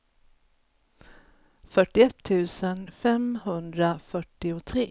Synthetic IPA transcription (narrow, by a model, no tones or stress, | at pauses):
fœʈɪɛt̪ʰːʉ̟ːsənfɛmhɵnd̪ɾafœʈːɪʊt̪ʰɾeː